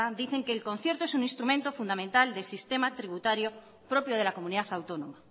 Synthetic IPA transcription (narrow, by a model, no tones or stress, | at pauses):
ad̪iθe̞ŋkeːlko̞n̟θje̞ɾt̪oesuŋĩnst̪ɾumẽnt̪o̞fund̪amẽnt̪ald̪e̞sist̪emat̪ɾiβut̪aɾjo | pɾo̞pjoð̞e̞lakomũniðaθawt̪onoma